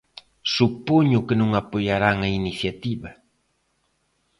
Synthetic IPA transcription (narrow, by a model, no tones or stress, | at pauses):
supoɲʊkɪnʊŋapojaɾaŋainiθjat̪iβa